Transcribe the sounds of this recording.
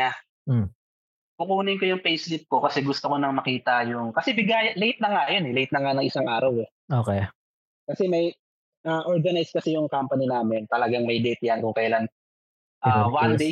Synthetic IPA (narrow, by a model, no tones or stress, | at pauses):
a | pʊkuːnɪŋko̞jʊŋpejslɪp̪̚ko̞kɐsɛɡʊst̪oko̞nɐŋmɐkiːt̪ɐjʊŋkɐsɛbɪɡaːjɐlejt̪̚nɐŋajonɛlejt̪̚nɐŋanɐŋʔɪsaŋʔaːɾɐwɛ | ʔoːkɛ | kɐsɛmɐj | ʔaʔoɹɡɐnajskɐsɛjʊŋkampɐninaːmɪnt̪ɐlɐɡaŋmɐjd̪ɛːt̪ɪjɐnkʊŋkɐjlan | ʔaːwand̪e